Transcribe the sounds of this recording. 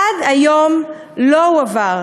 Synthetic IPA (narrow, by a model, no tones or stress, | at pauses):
adajom | lowavaʁ